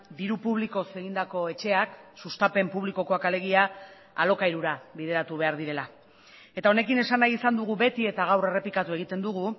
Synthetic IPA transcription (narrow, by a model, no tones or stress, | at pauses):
d̪iɾupuβliko̞se̞ɣind̪ako̞e̞t͡ʃe̞aksust̪ape̞mpuβ̞liko̞ko̞akale̞ɣia | a̰lo̞kaiɾuɾaβiðe̞ɾat̪uβe̞aɾðiɾe̞la | e̞t̪ao̞ne̞kine̞sanajisand̪uɣ̞uβe̞t̪ie̞t̪aɣ̞awre̞re̞pikat̪ue̞ɣ̞it̪e̞nd̪uɣu